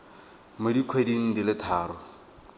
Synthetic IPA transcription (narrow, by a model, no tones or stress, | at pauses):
mʊdikʰwediŋ̩dilɪtʰaːɾʊ